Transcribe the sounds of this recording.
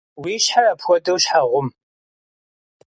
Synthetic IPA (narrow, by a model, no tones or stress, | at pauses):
wiːɕħarɐpʰxʷɔdɨwɕħaʁʷʊm